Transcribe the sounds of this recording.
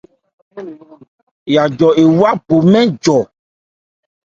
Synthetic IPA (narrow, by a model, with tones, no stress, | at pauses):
ja˨d͡ʒɔ˨e˨wwa˦bo˨mɛ̃˦d͡ʒɔ˨